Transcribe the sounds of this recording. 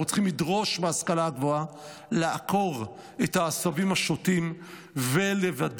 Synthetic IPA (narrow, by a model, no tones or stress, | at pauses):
ot͡sχimlidʁo̞ʃbeaskalaɡvo̞a | leako̞ʁ | ethaːsavimaʃotim | vele̞vad